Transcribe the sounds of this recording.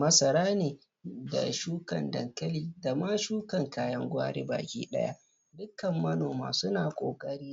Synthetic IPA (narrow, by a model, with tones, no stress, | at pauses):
mɐ˦sɐ˨ɾaː˦neː˨ | da̰˨ʃuː˦kɐ˨ndɐ˨ŋkɐ˦liː˦da˨ma˦ʃuː˦kɐ˨ŋkaː˦jɐ˦ŋɡʷa̰ː˦ɽḛː˦ba̰ː˨kʲʼḭː˦ɗɐ̰˦ja̰˦ʔ | dʊ˦kːɐ˨mːɐ˦noː˨ma̰ː˨sʊ˦naː˨kʷʼo̰ː˨kʼɐ˦ɽiː˦